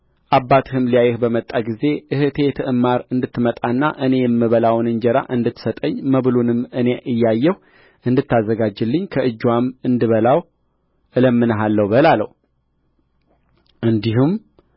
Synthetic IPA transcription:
ʔabːat̪ʰɨhɨmlijajːɛhbəmət̪ʼːaɡize̞ʔɨhɨt̪ʰe̞t̪ʰɨʔɨmːaɾɨnd̪ɨt̪ːɨmət̪ʼanːa̰ʔɨne̞jɛmːɨβəlawnɨnd͡ʒɛɾa̰ʔɨnd̪ɨt̪ːsət̪ʼəɲːməβɨlunɨmɨne̞ʔɨjːajːɛhu | ʔɨnd̪ɨt̪ːazːəɡad͡ʒːɨlːɨɲːkʰəʔɨd͡ʒːwamɨnd̪ɨβəlaw | ʔɨləmːɨnəɦalːəwbəlalə̰hu | ʔɨnd̪iɦum

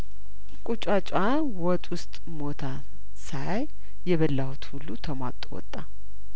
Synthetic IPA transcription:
kʼut͡ʃʼat͡ʃʼa | wɔt̪ʼwʊst̪ʼ | mo̞t̪ʰa | sajaj | jɛβəlːawut̪hulːut̪ʰəmat̪ʼwɔ̰t̪ʼːa

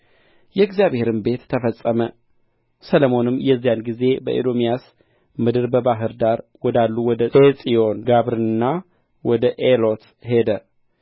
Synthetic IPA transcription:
jɛɡzijaβhe̞ɾɨnbe̞t̪t̪ʰːəfəsʼəmə | sələmo̞nɨmːjɛzːijanɡize̞bə̰ʔed̪omijas | mɨd̪ɨɾbəbaɦɨɾd̪aɾwɔd̪alːuwɔd̪əet͡sʼijo̞nɡaβɾɨɨnːa | wɔd̪əʔelo̞t̪ | he̞d̪ə

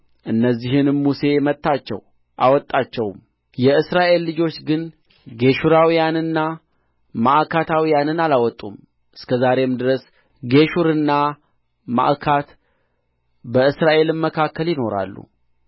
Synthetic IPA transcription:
ʔɨnːəzːiɦɨnmuse̞mət̪ːat͡ʃːɛ̰w | ʔawɔt̪ʼːat͡ʃːɛwm | jɛɨsɾaʔe̞lːɨd͡ʒo̞t͡ʃːɡɨn | ɡe̞ʃuɾawijanɨnːa | maʔkʰat̪ʰawijanɨnalawɔt̪ʼːum | ʔɨskʰəzaɾe̞md̪ɨɾəs | ɡe̞ʃuɾɨnːa | ma̰ʔkʰat̪ | bəɨsɾaʔe̞lɨmməkʰakːəljɪno̞ɾa̰lːṵ

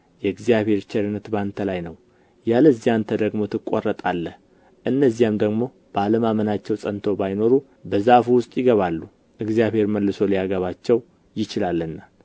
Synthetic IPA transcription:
jɛɨɡzijaβhe̞ɾt͡ʃɛɾɨnːət̪bant̪ʰəlajnəw | jaləzːijant̪ʰəd̪əɡmo̞t̪ʰɨkʼːo̰rːət̪ʼalːəh | ʔɨnːəzːijamd̪əɡmo̞ | b̥əaləmamənat͡ʃːɛwsʼənt̪ʰo̞bajno̞ɾu | bəzafuwʊst̪ʼjɪɡəβalːu | ʔɨɡzijaβhe̞ɾməlːɨso̞lijaɡəβat͡ʃːɛw | jɪt͡ʃɪlalːɨnːa

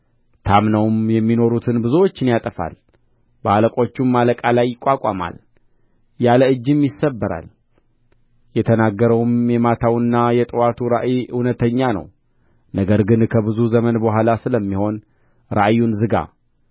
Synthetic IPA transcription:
t̪ʰamnəwmjɛmːino̞ɾut̪ʰɨnbɨzuwo̞t͡ʃːɨnjat̪ʼəfa̰l | bəaləkʼo̞t͡ʃːumːaləkʼalajːɪkʷʼːakʼa̰ma̰l | jaləɨd͡ʒːɨmjɪsːəbːəɾa̰l | jɛt̪ʰənaɡːəɾəwmjɛmat̪ʰawɨnːajɛt̪ʼɨwat̪ʰuɾa̰ʔjiɨwnət̪ʰəɲːanə̰w | nəɡəɾɡɨnkʰəbɨzuzəmənbəɦʷalasɨləmːiho̞n | ɾa̰ʔjːunzɨɡa̰

